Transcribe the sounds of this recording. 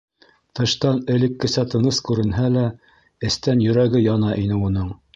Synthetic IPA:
t̪ɤ̆ʃt̪ɑnɘ̆lɘ̆kːɘ̆sæt̪ɤ̆nɤskʉɾɘ̆nɦælæ | ɘ̆st̪ænjɵ̆ɾæɡɘjɑnɑʔinɘunɤɴ

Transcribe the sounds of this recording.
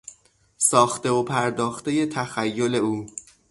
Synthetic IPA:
sɒːxt̪e̞opʰæɾd̪ɒːxt̪e̞je̞t̪ʰæxæjːo̞le̞uː

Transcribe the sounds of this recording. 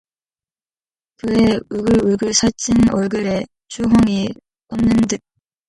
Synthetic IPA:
kɯeuɡɯɾuɭɡɯɭsʰat͡ɕ͈ʰinʌɭɡɯɾe | t͡ɕuɦʌŋi | t͈ʌmnɯndɯ

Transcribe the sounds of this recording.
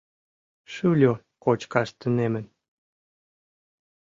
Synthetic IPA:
ʃylʲo | kot͡ɕkɑʃt̪ənemən

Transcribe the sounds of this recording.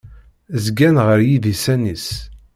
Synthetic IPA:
zɡænʁəɾjiðisænis

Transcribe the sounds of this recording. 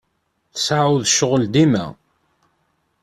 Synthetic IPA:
θəsaʕuðʃːəʁəld̪imæ̰

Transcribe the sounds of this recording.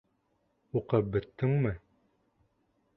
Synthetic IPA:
uqɤp̚bɘ̆t̪ːɘŋmɘ

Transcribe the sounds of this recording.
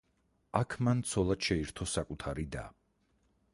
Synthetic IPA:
akʰmant̪sʰɔlˠad̪̥ʃɛiɾt̪ʰɔsakʼut̪ʰaɾid̪a̰

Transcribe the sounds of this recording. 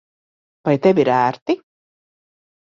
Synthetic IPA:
vajt̪evʲiɾæːɾt̪i

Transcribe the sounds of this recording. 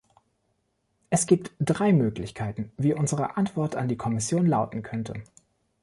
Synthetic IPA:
ʔɛsɡ̥iːp̚td̥ʁaɪmøːklɪçkʰaɪtn̩viːʔʊnzəʁəʔantv̥ɔɐta̰ndiːkʰɔmɪsjoːnlaʊtn̩kʰœntʰə̰

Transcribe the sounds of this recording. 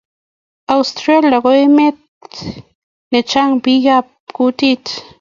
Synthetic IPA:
awst̪ɾeljaɣojmet̪̚ | net͡ʃaŋpiɡap̚kut̪it̪

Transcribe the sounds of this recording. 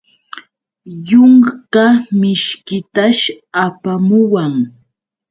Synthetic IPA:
jʊŋkamɪʃkɪt̪aʃ | apamʊwaŋ

